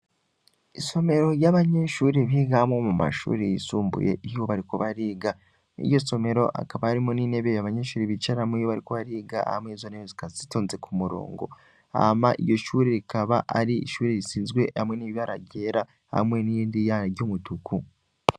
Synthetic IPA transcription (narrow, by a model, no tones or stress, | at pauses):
iso̞me̞ɾo̞jaβaɲe̞ʃuːɾeβiɡamŋo̞muma̰ʃṵːɾejisuːmbṵje̞̰ʔijoβaɾikoβaɾiːɡa | ḭjo̞so̞me̞ɾo̞ʔa̰kaβaaɾimonine̞βejaβaɲe̞ːʃuːɾiβit͡ʃaɾamoijoβaɾiko̞βaɾiːɡa̰hamweizoneβezikazitoːnze̞kumuɾo̰ːŋɡo̞̰ | a̰maʔijo̞ʃuːɾeɾikaβaʔaɾiiʃuːɾeɾisiːnzɡwe̞hamwŋe̞niβiβaɾa̰ɟe̞ːɾa | ha̰mwe̞nijiːndijanaɾɟomutuku